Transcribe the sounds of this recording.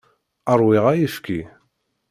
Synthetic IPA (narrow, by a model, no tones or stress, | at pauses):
əɾˤwɪʁajifki